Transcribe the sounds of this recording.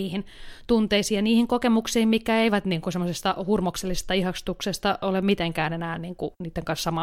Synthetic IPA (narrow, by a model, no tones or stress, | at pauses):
iːhint̪unt̪eisiːjjɑniːhiŋkokemuksiːmmikkːæeiʋæt̪niːŋkusemːosest̪ɑhurmokselːisest̪ɑihɑkst̪uksest̪ɑʔolemmit̪eŋkæːnenæːnniːŋkuniːt̪ːeŋkɑnssɑmɑ